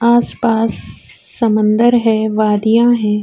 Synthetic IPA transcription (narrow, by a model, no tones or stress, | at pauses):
aːspaːsː | ɐmə̃nd̪əɾɦɛʋaːd̪ijãɦɛ̃ː